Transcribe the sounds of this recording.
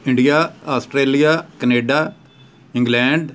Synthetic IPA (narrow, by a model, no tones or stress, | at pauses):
ɪ̃ɳɖijaːaːsʈɾeːlijaːkəneːɖaː | ɪ̃ŋɡlɛ̃ːɳɖ